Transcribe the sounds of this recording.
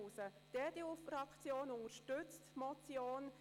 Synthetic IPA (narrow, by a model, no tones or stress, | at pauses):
uːsə | d̥ɛd̥̪eufɾɑkt͡sjoːnʊŋəɾʃtʏt͡stmɔt͡sjoːn